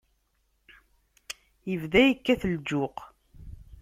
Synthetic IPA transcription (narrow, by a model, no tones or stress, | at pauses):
jəvðæjəkːæθəld͡ʒʊq